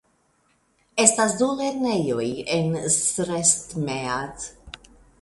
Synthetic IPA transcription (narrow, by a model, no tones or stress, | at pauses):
ɛst̪ɐsd̪ulɛt̪nɛjuiɛnsɾɛst̪mɛɐt̪